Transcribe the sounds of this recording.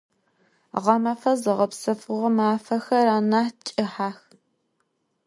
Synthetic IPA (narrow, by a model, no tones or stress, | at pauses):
ʁɐmɐfɐzɨʁɐpsɐfʊʁɐmaːfɐxɐɾaːnaːt͡ʃʼɪħaːx